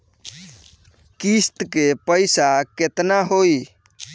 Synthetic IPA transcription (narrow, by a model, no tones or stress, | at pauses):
kist̪kepəjsaket̪naɦoi